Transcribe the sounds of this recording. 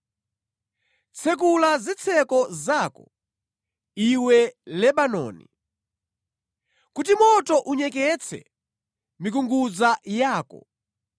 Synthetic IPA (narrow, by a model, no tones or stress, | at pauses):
t͡sʰɛk̬ulazit͡sʰɛkɔzaːkɔ | iwɛlɛɓanɔ̰ːnḭ | kut̬imɔtɔʔuɲɛkɛt͡sʰɛ̰ | mikuŋɡuzajaːkɔ̰